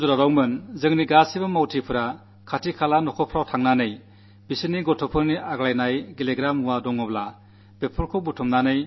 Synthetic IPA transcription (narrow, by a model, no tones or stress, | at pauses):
zuɾaɾawmɯnzɯŋniɡasibamawtʰipʰɯɾa | kʰatʰikʰalanɔkʰɔpʰɾawtʰaŋnanɯj | bisɯniɡɔtʰɔpʰɯɾniaɡlajnajɡileɡɾamuwadɔŋɔbla | b̥epʰɔɾkʰɔbutʰɔmnanɯj